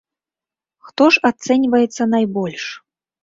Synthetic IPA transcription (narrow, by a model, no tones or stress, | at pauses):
xt̪ɔʂat̪sɛnʲvɐjɛt̪sːɐnajbɔlʲʂ